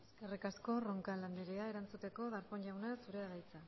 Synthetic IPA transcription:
eske̞rikasko̞ro̞ŋkaland̪eɾeae̞ɾant͡sut̪e̞ko̞ðaɾpoɲʎawnasuɾeaðajt͡sa

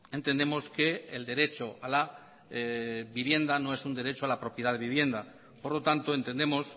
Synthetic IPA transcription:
e̞nt̪e̞nd̪e̞mo̞ske̞ːld̪e̞ɾe̞t͡ʃoala | βiβje̞nd̪ano̞e̞sund̪e̞ɾe̞t͡ʃoalapɾo̞pjeð̞aðe̞βiβje̞nd̪a | po̞ɾlo̞t̪ant̪oe̞nt̪e̞nd̪e̞mo̞s

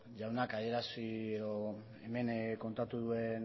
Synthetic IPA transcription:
ʝawnakaðie̞ɾasieðo̞ | eme̞nko̞nt̪at̪uðue̞n

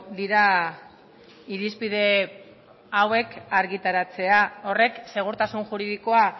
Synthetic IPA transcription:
d̪iɾa | iɾispið̞e̞ | awe̞kaɾɣit̪aɾat͡se̞ao̞re̞kse̞ɣ̞uɾt̪asunʝuɾiðiko̞a

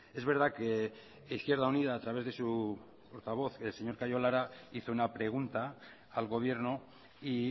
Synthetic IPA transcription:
e̞zβe̞ɾð̞ake | iθkje̞ɾðaunið̞aːt̪ɾaβe̞zðe̞su | po̞ɾt̪aβ̞o̞θelse̞ɲo̞ɾkajo̞laɾaiθo̞unapɾeɣ̞unt̪aː | lɣo̞β̞je̞ɾno | i

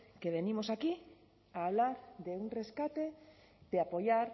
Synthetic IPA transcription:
keβenĩmosaki | aːβlaɾðeuŋreskat̪e | d̪eapojaɾ

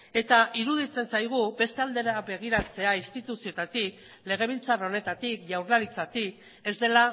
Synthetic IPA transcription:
e̞t̪aʔiɾuð̞it͡se̞nsajɣ̞ube̞st̪e̞ald̪eɾaβe̞ɣ̞iɾat͡se̞aist̪it̪usio̞t̪at̪ik | le̞ɣ̞e̞β̞ilt͡sarao̞ne̞t̪at̪ikʝawɾlaɾit͡sat̪ik | e̞zd̪e̞la

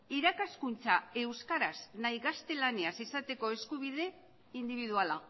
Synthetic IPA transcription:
iɾakaskunt͡sae̞wskaɾasnajɣast̪e̞laniasisat̪e̞ko̞e̞skuβ̞iðe̞ | ind̪iβiðuala

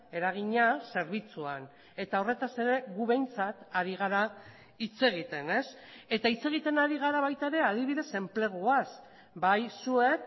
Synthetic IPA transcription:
e̞ɾaɣ̞iɲase̞ɾβ̞it͡suan | e̞t̪ao̞re̞t̪ase̞ɾe̞ɣuβe̞jnt͡sat̪aɾiɣ̞aɾa | it͡se̞ɣ̞it̪e̞ne̞s | e̞t̪ait͡se̞ɣ̞it̪e̞naɾiɣaɾaβajt̪aeɾe̞að̞iβiðe̞se̞mple̞ɣ̞uas | bajsue̞k

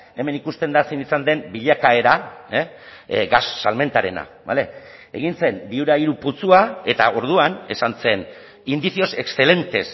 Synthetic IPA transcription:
e̞me̞nikust̪e̞nd̪asinisand̪e̞mbiʎakae̞ɾa | ɡasːalme̞nt̪aɾe̞̰na̰ | ba̰le̞ | ḛɣ̞inse̞nb̪iuɾaiɾuput͡suae̞t̪ao̞ɾð̞uane̞sanse̞n | ind̪isio̞se̞ksθe̞le̞nt̪e̞s

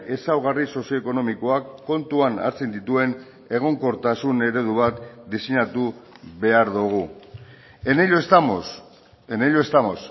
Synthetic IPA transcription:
e̞sawɣariso̞sjo̞eko̞no̞miko̞akːo̞nt̪uana̰ɾt͡se̞nd̪it̪ue̞n | e̞ɣ̞o̞ŋko̞ɾt̪asune̞ɾe̞ð̞uβat̪d̪isiɲat̪uβe̞aɾðuɣ̞u | eneʎost̪amo | eneʎoest̪amos

